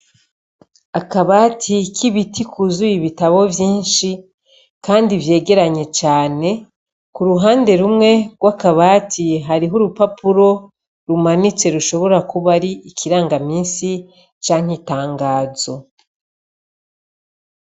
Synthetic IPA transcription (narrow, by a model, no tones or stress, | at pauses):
akaβaːtʰikʰiβitikʰuzujiβitaβo̞vjiːnʃi | kaːndivje̞ːɡe̞ɾaɲe̞t͡ʃaːne̞ | kuɾuɦaːnde̞ɾumŋe̞ɡwakaβaːtʰiɦaɾiɦuɾupapuɾo̞ | ɾumanit͡se̞ɾuʃo̞βo̞ɾakuβaɾiikʰiɾaːŋɡamiːnsi | t͡ʃaːŋ̥itaːŋɡaːzo̞